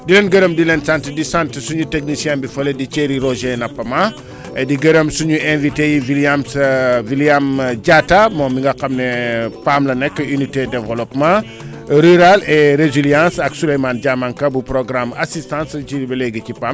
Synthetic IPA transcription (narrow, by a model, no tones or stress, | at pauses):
dilɛnɡɐɾɐmdilɛnsantədisãntsuɲutek̚nisijɛ̃mbifɔledit͡ʃeɾiɾɔʒenɐpːɐma | ɛdiɡɐɾɐmsuɲuɛ̃nvitejiviljamsviljamɟatamɔːmbiŋɡɐxɐmnɛpamlɐnɛkːəynitedɛvɐlɔpmã | ɾyɾalɛɾeziljãnsɐksulejmanɟamankɐbupɾɔɡɾamasistãːnscibɐlɛɡəcipam